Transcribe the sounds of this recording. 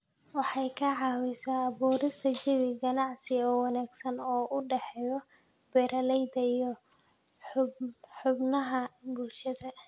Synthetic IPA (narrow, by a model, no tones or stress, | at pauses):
wɑħɑjkʰɐʕɑwɪsaːβuːɾɪst̪ʰɐt͡ʃɪβɪɡɐnɑʕsɪɔːwɑnaːɡsɐnɔːʔʊɖɛħɛjɔ | b̥ɛɾʔɐlɛjd̪ɐijɔ | ħʊbnɐɦɐbulʃɐðɐ